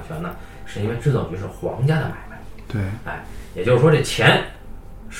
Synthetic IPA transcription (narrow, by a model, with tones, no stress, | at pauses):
t͡ɕʰɥɛ˧˥nnə˧ | ʂɻ̩˥˩i˥nwe˥˧ɪʈ͡ʂɻ̩˥˩t͡so˨˩t͡ɕy˧˥ʂɻ̩˥˩xwɑ̰˧˥ŋt͡ɕja˥d̪ə˨ma̰˨˩ɪma˧˥ɪt̪we˥˩ə̰˥˩ɪjɛ˨˩t͡ɕjo˥˧ʊʂ̩˥˩wɔ˥ʈ͡ʂe˥˩t͡ɕʰjɛ˧˥n | ʂ